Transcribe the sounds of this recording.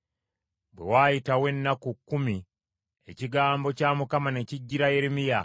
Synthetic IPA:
bwe̞̰wajitawe̞nːakukːumi | eciɡaːmbo̞camukamane̞ciɟːiɾaje̞ɾemija

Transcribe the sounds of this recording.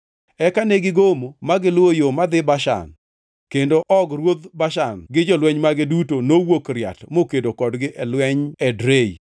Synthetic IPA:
ɛkanɛɡɪɡomomaɡɪlwojomad̪ɪbaʃa̰n | kendoʔɔɡrwod̪baʃanɡɪd͡ʒɔlwɛɲmaɡɪdutonowokɾja̰tmokedokɔdɡɪʔɛlwɛɲɛdɾeḭ

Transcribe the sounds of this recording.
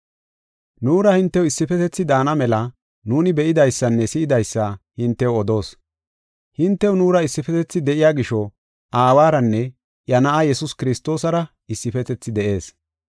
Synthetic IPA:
nuːɾɐhɪnt̪ːɛwɪsːɪfɛt̪ɛt͡sːɪd̪aːnɐmɛlɐ | nuːnɪbɛʔɪd̪ɐjsːɐnːɛsɪʔɪd̪ɐjsːɐhɪnt̪ːɛwɔd̪o̞ːs | hɪnt̪ːɛwnuːɾɐɪsːɪfɛt̪ɛt͡sːɪd̪ɛʔɪjaːɡɪʃɔ | ʔaːwaːɾɐnːɛ | ʔjɐnɐʔajɛsʊskɪɾɪst̪o̞ːsɐɾɐ | ɪsːɪfɛt̪ɛt͡sːɪd̪ɛʔe̞ːs

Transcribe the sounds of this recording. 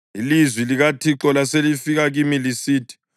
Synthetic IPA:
ilizwiliɣatʰiǁɔlaselifiɣaɣimilisiːtʰi̥

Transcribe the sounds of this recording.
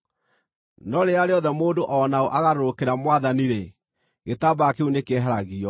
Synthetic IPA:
nɔɾeaɾeɔðɛmoːndoʔɔnaoʔaɣaɾoɾokeɾamwaðaniɾe | ɣetabaakeunekɛɦaɾaɣiɔ

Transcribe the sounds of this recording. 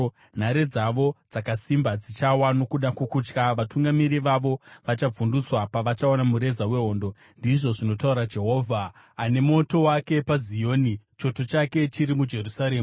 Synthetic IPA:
n̤aɾe̞d͡zaʋo̞d͡zakasimbad͡zit͡ʃawano̞kuɗakukut͡ʃkaʋatuŋɡamiɾiʋaʋo̞ʋat͡ʃab͡vunduswapaʋat͡ʃaonamuɾe̞zawe̞ɦo̞ːndo̞ | ndiʐo̞ʐino̞tauɾad͡ʒe̞ɦo̞ːvʱa | ane̞mo̞to̞wake̞pazijo̞ːnit͡ʃo̞to̞t͡ʃake̞t͡ʃiɾimud͡ʒe̞rusaɾeːm

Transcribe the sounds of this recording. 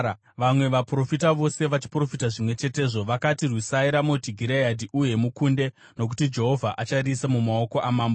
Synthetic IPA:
ʋamwe̞ʋapro̞fitaʋo̞se̞ʋat͡ʃi̥pro̞fitaʐimwe̞t͡ʃe̞te̞ːʐo̞ʋakatirwisaiɾamotiɡʱiɾeadʱiʔuje̞mukunde̞ | no̞k̬utid͡ʒe̞ɦo̞vʱaʔat͡ʃarisemumao̞ko̞ʔamaːmbo

